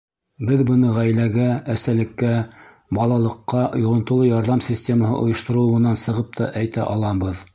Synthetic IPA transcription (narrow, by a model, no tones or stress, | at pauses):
bɘðbɤ̆nɤʁæjlæɡææsælɘ̆kːæ | bɑlˠɑlˠɤ̆qːɑŏjŏʁɤ̆nt̪ŏlˠɤjɑɾðɑmsʲisʲtʲe̞məhɤ̰ʔŏ̰jɤ̆ʃt̪ŏɾɤ̆ɤ̆wɤ̆nɑnsɤ̆ʁɤp̚t̪ɑ̰ʔæjt̪æ̰ʔɑlˠɑbɤð